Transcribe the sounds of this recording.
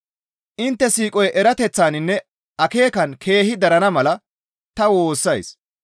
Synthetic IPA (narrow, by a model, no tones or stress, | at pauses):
ʔɪnt̪ːɛsiːkʼɔjʔɛɾɐt̪ɛt͡sːaːnɪnːɛ | ʔɐke̞ːkɐnkʰe̞ːhɪd̪ɐɾɐnɐmɐlɐ | t̪ɐwo̞ːsːɐjs